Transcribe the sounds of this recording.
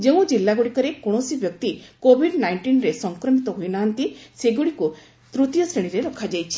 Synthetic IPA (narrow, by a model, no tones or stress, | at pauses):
d͡ʒeũd͡ʒilːaɡuɽikɔɾekɔɽ̃ɔsibjɔk̚t̪ikobʱiɖnajɳʈinɾesɔŋkɾɔmit̪ɔɦujnaɦant̪iseɡuɽiku | t̪ɾut̪jɔseɽ̃iɾelɔkʰːad͡ʒajt͡ʃʰi̥